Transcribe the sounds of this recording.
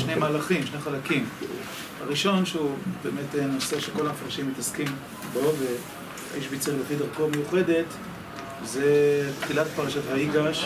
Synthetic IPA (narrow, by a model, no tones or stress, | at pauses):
ʃne̞jmaːlaχimʃneχalakim | haʁiʃo̞nʃeubeːmetenoseʃeko̞lafʁaʃimːitaskim | bo̞ve | a̰ʔiʃbit͡seʁlefidaʁkomejuχe̞det | zepχilatpaʁaʃathaiɡaʃ